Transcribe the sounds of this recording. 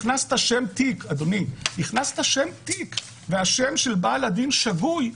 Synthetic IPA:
nast̪aʃe̞mt̪ikad̪oniniχnast̪haʃe̞mt̪ik | veaʃe̞mʃe̞lbaːlad̪inʃaɡuj

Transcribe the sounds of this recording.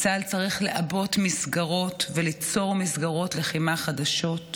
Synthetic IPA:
t͡salt͡saʁiχle̞ʔabo̞tmisɡaʁo̞tvelit͡so̞ʁmisɡaʁo̞tleχimaχadaʃo̞t

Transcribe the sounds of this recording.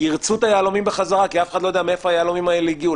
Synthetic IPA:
iʁt͡sut̪ajaːlomimbeχazaʁakiafe̥χadlojdeamiefoajealomimaeliɡiu

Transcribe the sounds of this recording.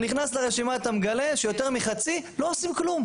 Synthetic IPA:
niχnasleʁeʃimaet̪amɡaleʃejo̞t̪eʁmiχat͡silo̞osimklum

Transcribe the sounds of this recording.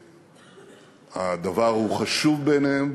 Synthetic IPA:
ad̪avaʁhuχaʃuvbenem

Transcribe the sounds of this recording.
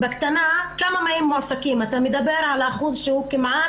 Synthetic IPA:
bakt̪anakamamajɪmːʊʕsakiːmat̪amɪd̪abɪɾʕalaʔxuːzˤʃuukɪmʕaː

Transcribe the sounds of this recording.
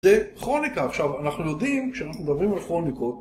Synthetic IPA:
zeχʁo̞nikaːχʃavanaχnujo̞d̪imkʃeanaχnumed̪abʁimalχʁo̞niko̞t̚

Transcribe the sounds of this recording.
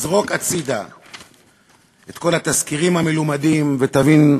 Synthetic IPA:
zʁo̞kat͡sid̪a̰ | et̪ko̞lat̪askiʁimhamelomadimvet̪avin

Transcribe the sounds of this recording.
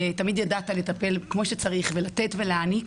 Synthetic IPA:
t̪amid̪jadat̪ale̞t̪ape̞lkmo̞ʃet͡saʁiχve̞lat̪etve̞leanik

